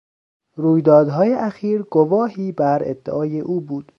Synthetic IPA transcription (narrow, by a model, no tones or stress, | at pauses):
ruːjd̪ɒːd̪ɦɒːjeʔæxiːɾɡovɒːɦiːbæɾḛd̪̥ːeʔɒːjeʔuːbuːd̪̥